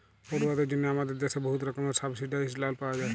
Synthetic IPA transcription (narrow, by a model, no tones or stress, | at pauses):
poɾwad̪eɾd͡ʒonːeamad̪eɾd̪ɛsʰeboɦut̪ɾɔkɔmeɾsabsiɖajslalpawad͡ʒae